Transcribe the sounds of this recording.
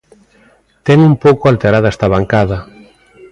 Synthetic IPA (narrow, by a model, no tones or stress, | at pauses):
t̪ɛŋumpowkoalt̪eɾaðɛst̪ɐβaŋkaðɐ